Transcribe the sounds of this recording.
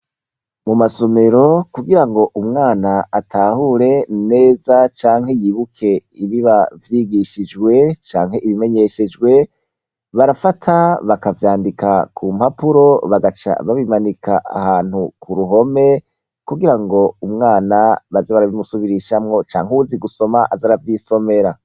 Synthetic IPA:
mumaso̞me̞ɾo̞kuɡiɾaŋɡo̞ʔumŋaːnaatʰaːhuɾe̞ne̞ːzat͡ʃaːŋhejiːβukʰe̞iβiβavjiɡiʃid͡ʒɡwe̞t͡ʃaːŋhe̞iβime̞ɲe̞ʃe̞d͡ʒɡwe̞ | βaɾafatʰaβakavjaːndikakʰum̥hapuɾo̞βaɡat͡ʃa̰βaβimanikʰaʔa̰haːn̥hukʰuɾuɦo̞me̞ | kuɡiɾaŋɡo̞umŋaːnaβazeβaɾaβimusuβiɾiʃamŋo̞t͡ʃa̰ːŋhuziɡuso̞maʔazaɾavjiso̞me̞ɾa

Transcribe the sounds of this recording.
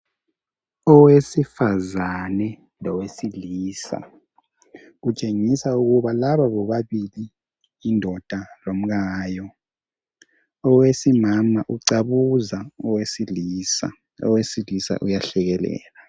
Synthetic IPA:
ɔwesifazanɛ | lɔwesiliːsa̰ | ɣut͡ʃʼeŋisauɣuβalaβaβɔβaβiliː | ndʱɔd̥ʱalom̩ɣaːjɔ | ɔwesimamaʔuǀaβuzaɔwesiliːsa̰ | ɔ̰wesilisa̰ʔujaɬɛɣɛlɛ̰ːla

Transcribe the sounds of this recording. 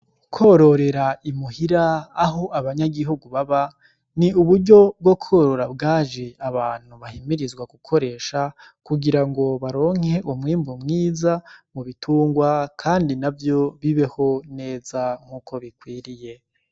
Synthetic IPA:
kʰo̞ɾo̞ɾe̞ɾaimuhiɾaːɦo̞ʔaβaɲaɡiɦuɡuβaβa | niuβuɾɟo̞b̚ɡwo̞kʰo̞ɾo̞ɾabɡaːʒeaβaːn̥huβahimiɾizɡwaɡukʰo̞ɾe̞ːʃa | kuɡiɾaŋɡo̞βaɾo̞ːŋ̥he̞ʔumŋiːmbumŋiːzamuβitʰuːŋɡwakʰaːndinavjo̞βiβe̞ho̞ne̞ːzaŋ̥huːkʰo̞βikwiːɾije̞

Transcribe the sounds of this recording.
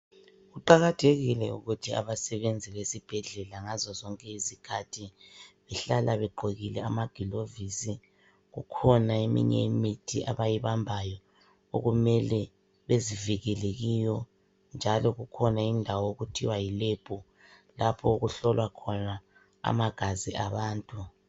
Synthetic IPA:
ɣuǃaɣatʰeɣilɛṵɣutʰia̰βasɛβend͡zʱiβesib̥ʱɛɮɛlaŋazɔzɔŋkʼɛizikʰatʰiβɛɬalʔaβɛɡ͡ǃʱoɣilɛamaɡ̥ʱilovisi | ɣukʰɔnaemḭɲɛ̰imitʰiʔa̰βajiβambʱajɔ | o̰ɣumɛlɛ | βeziviɣɛleɣijɔ | nd͡ʒʱalɔɣukʰɔnaindʱawɔoɣutʰiwajileb̥ʱu | lapʰɔuɣuɬɔlwakʰɔna | a̰maɡ̥ʱaziʔaβaːntʼu

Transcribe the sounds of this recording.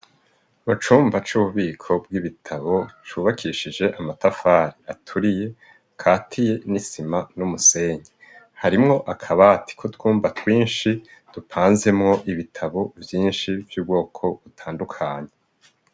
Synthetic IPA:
βat͡ʃuːmvat͡ʃuβuβiːkʰo̞b̚ɡiβitʰaβo̞t͡ʃuːβakʰiʃid͡ʒe̞ʔamatafaːɾiatʰuɾije̞ | kʰaːtʰije̞nisimanumuse̞ːɲe | haɾimŋo̞ʔakʰaβaːti̥kʰo̞twuːmvatwiːnʃid̥upʰaːnze̞mŋo̞ʔiβitʰaβo̞vjiːnʃivjuːb̚ɡo̞ːkʰo̞βutʰaːndukʰaɲe

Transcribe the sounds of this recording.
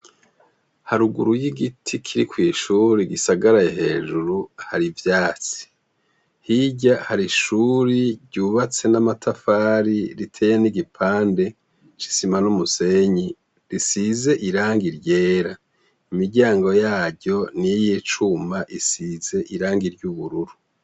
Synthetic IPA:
haɾuɡuɾujiɡitʰikʰiɾikwiːʃuɾiɡisaɡaɾajaɦe̞ːʒuɾuhaɾivjaːt͡si̥ | hiɟahaɾiʃuːɾiɾɟuːβat͡se̞namatʰafaːɾiɾitʰe̞jeniɡipʰaːnde̞ | t͡ʃi̥simanumuse̞ɲi | ɾisize̞ʔiɾaːŋɡiɾɟe̞ːɾa | imiɟaːŋɡo̞jaːɟɟo̞nijiːt͡ʃumaʔisize̞ʔiɾaːŋɡiɾɟuβuɾuɾu

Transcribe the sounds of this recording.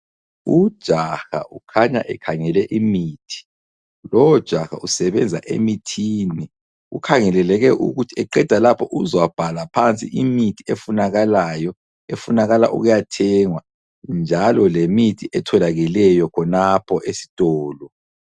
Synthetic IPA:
udd̥ʒ̥ʱaxa̰ʔukʰaɲa̰ʔɛkʰaŋɛlɛʔimiːtʰi̥ | lɔwɔd̥ʒ̥ʱaxa̰ʔusɛβɛnd͡zʱa̰ʔḛmitʰiːni | ṵkʰaŋɛlɛlɛɣɛʔṵɣutʰiɛǃɛd̥ʱalapʰɔʔuzwab̥ʱalapʰant͡sʼḭʔimitʰiefunaɣalajɔ | efunaɣala̰ʔṵɣujatʰɛŋwa | nd͡ʒʱalɔlemitʰiʔɛtʰɔlaɣilɛjɔkʰɔnapʰɔʔesi̥tʼɔːlɔ

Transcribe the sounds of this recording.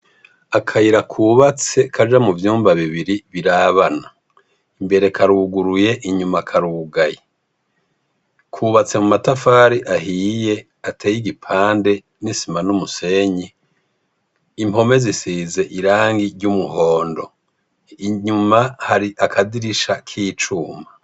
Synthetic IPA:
akʰaiɾakʰuːβat͡se̞kʰaʒamuvjuːmbaβiβiɾiβiɾaːβana | imbe̞ɾe̞kʰaɾuɡuɾuje̞ʔiɲumakʰaɾuːɡaje | kʰuːβat͡se̞mumatafaːɾiʔaɦiːje̞ | atʰeːjiɡipʰaːnde̞ | nisimanumuse̞ɲi | imo̞me̞zisiːze̞ʔiɾaːŋɡiɾɟumuho̞ːndo̞ | iɲumahaɾiʔakʰadiɾiʃakʰiːt͡ʃuːma

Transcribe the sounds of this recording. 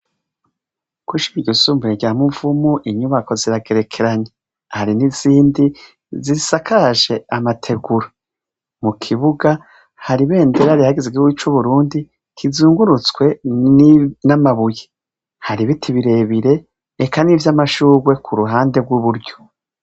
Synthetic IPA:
kwiʃiiɟusuːmbuɾeɟaːmuɱv̥umuʔiɲuβako̞ziɾaɡe̞ɾe̞kʰe̞ɾaɲe | haɾiniz̥iːndi | zisakʰaʒe̞amatʰe̞ɡuɾa | mukʰiβuɡa | haɾiβe̞ːndeɾaɾihaɡizeɡiwit͡ʃuβuɾuːndi | kʰizuːŋɡuɾut͡skwe̞nnamaβuje | haɾiβitʰiβiɾe̞βiɾe̞ː | kanivjamaʃuːɡwe̞kʰuɾuɦaːnde̞ɡwuβuɾɟo̞̥

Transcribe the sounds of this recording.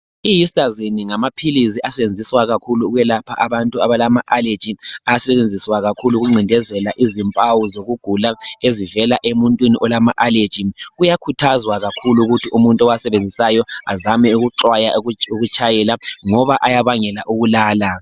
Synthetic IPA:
ijistʼaziniŋamapʰilis̬iʔasɛβend͡zʱiswaɣakʰuluɣwɛlapʰaʔaβantʼuaβalamaʔale̥d͡ʒ̥ʱiaasɛt͡ʃend͡zʱiswaɣakʰuluɣuŋ͡ǀʱindʱɛzɛlaʔizimpʼawuzoɣuɡ̥ʱulaezivɛlaʔemuntʼwiniʔɔlamaʔaled̥d͡ʒ̥ʱiɣujakʰutʰazwaɣakʰuluɣutʰiʔumuntʼɔwasɛβend͡zʱisajɔazamɛuɣuǁwajauɣut͡ʃʼajɛlaŋɔβaʔajaβaŋɛlaʔuɣulaːla

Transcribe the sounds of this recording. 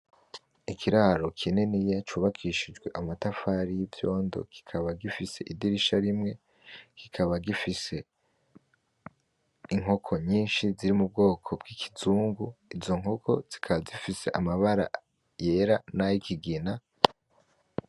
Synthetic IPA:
ikʰiɾaɾo̞kʰine̞nijat͡ʃuːβakʰiʃid͡ʒɡwe̞ʔamatafaɾijivjo̞ːndo̞̰ɡ̥i̥kʰaβaɡifise̞ʔidiɾiʃaɾimŋe̞ | ɡ̥ikʰaβaɡifise̞ | iŋ̥o̞kʰo̞ɲiːnʃiziɾimub̚ɡo̞ːkʰo̞bɡikʰi̥zuːŋɡuizo̞ŋɦo̞kʰo̞z̥i̥kʰaβazifise̞̰ʔamaβaɾa̰ | je̞ːɾanajikʰiɡina

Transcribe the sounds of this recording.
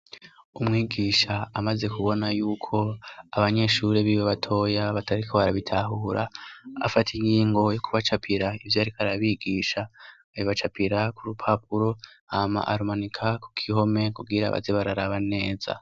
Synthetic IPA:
umŋiːɡiːʃaːmaze̞kuβo̞najuːkʰo̞aβaɲe̞ʃuːɾeβiweβatʰo̞ːjaβataɾikʰo̞βaɾaβitʰaɦuːɾa̰a̰fatʰiŋɡiːŋɡo̞jo̞kʰuβat͡ʃapʰiɾaivjaaɾikaɾaβiːɡiːʃa | iβat͡ʃapiɾakuɾupʰap̚uɾo̞ | ama̰ʔaɾumanikʰaku̥kʰiɦo̞me̞kuɡiɾa̰βa̰zeβaɾaɾaβane̞ːza̰

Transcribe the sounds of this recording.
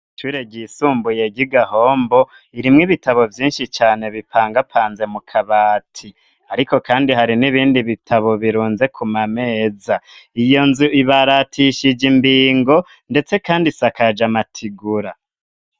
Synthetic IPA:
tuɾeɟisuːmbuje̞ɟiɡaho̞ːmbo̞ | iɾimŋiβitaβo̞vjiːnʃit͡ʃaːne̞βipʰaːŋɡapʰaːnze̞mukʰaβaːtʰi | aɾiko̞kaːndihaɾiniβiːndiβitʰaβo̞βiɾuːnze̞kʰumame̞ːzaijo̞nzuʔiβaɾatʰiʃid͡ʒimbiːŋɡo̞ | nde̞t͡se̞kaːndisakad͡ʒamatʰiɡuɾa

